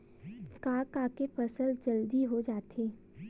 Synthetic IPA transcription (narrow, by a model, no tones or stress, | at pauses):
kãːkaːkepɐsəld͡ʒɐld̪iɦod͡ʒaːt̪ʰeː